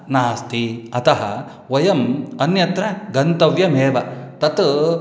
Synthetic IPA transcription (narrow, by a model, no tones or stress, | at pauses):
naːst̪iɐt̪ɐɦɐ̰ | ʋɐjɐmɐnjɐt̪ɾɐɡɐnt̪ɐʋjɐmeːʋɐt̪ɐt̪